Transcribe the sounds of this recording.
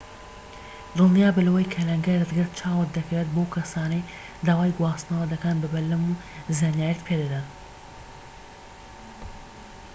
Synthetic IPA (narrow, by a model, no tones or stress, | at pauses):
rɨlˠnijaːbɨlɐwɐjkʰɐlɐŋɡɐjrɨt̪ɡɨɾt̪̚t͡ʃʰaːwɐd̪ɐkweːt̪̚bowkʰɐsaːnɐj | d̪aːwaːjɡwaːst̪nɐwɐd̪ɐkanbɐbɐlːɐmu | zaːnjaːjɛt̪pʰed̪ɐd̪an